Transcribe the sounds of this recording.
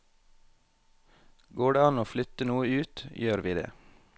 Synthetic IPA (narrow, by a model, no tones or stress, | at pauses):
ɡoːɖeːɑnoːflʏt̪ənuːəʉːt̪jøːɾʋiːd̪ḛː